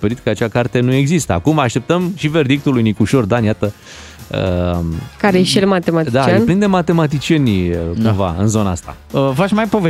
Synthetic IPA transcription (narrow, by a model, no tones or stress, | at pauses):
peɾit̪kəat͡ʃakart̪e̞nue̞ɡzist̪əa̰kumaʃt̪e̞p̚t̪əmʃive̞rd̪ik̚t̪ulujnikuʃo̞rd̪anjat̪ə | ə̰ | kaɾejeʃielmat̪emat̪id̪at͡ʃeanplind̪e̞mat̪e̞mat̪̬it͡ʃie̞nʲkumva̰ɨnzo̞naa̰st̪a̰ | əfat͡ʃʲmajpo̞ve